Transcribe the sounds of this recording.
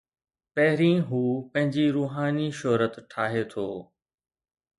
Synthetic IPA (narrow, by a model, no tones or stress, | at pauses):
pɛɦɪɾĩːɦuːpɐ̃ɦɪ̃ɲd͡ʑiɾuːɦaːniʃɔːɦɾət̪ʈʰaːɦet̪ʰoː